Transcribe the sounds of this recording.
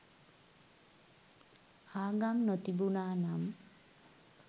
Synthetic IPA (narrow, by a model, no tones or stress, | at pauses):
aɡamnɔt̪ibunanam